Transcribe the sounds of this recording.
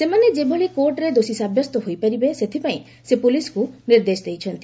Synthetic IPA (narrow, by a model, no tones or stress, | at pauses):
semaned͡ʒebʱoɭikoɾʈɾed̪osisabʱjɔst̪ɔɦojpaɾibeset̪ʰipaĩ | sepulisɔ̥kuniɾd̪esd̪ejt͡ʃʰɔnt̪i